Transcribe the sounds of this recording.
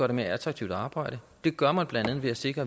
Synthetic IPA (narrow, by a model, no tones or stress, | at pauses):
ɶɐɾe̝me̝ɐæt͡sʰʁɑ̈ɡ̥̚t͡sʰiʊ̰d̥ɑ̈ːb̥ɑ̈ɪ̰ɾ̥ə | d̥e̝ɡ̥ɶɐmɑnb̥lænd̥æn̩ˠʋeæse̝ɡ̥ʁɐ